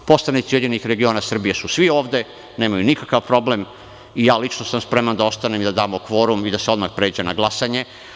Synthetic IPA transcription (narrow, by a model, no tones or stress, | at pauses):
po̞sanit̪sije̞d̪ɲenixɾe̞ɡio̞ːnasr̩bije̞susʋio̞ːʋd̪e̞ | ne̞ːmajunikakaʋpɾo̞blem | ijaːlit͡ʃnosamspɾe̞mand̪ao̞st̪anemd̪ad̪aːmo̞kʋo̞ːɾumid̪aseo̞d̪maxpɾe̞ːd͡ʑena̰ɡlˠasaɲe̞